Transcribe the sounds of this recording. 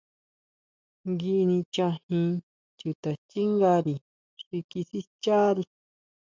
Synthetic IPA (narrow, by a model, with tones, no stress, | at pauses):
ŋɡi˧nĩ˧t͡ʃã˧hĩ˧ | tu˨t̪a˨t͡ʃi˦ŋɡa˧ɾi˨ | ʂi˧ki˧si˦t͡ʃa˦ɾi˧